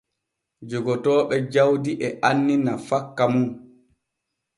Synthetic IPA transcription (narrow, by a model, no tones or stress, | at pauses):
d͡ʒɔɡɔtɔːɓɛd͡ʒawdiʔɛʔanːinafakːamu